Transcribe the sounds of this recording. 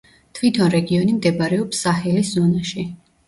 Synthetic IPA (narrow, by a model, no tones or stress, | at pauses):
t̪ʰwit̪ʰɔnɾɛɡiɔnimd̪ɛbaɾɛɔpsːaχɛliszɔnaʃi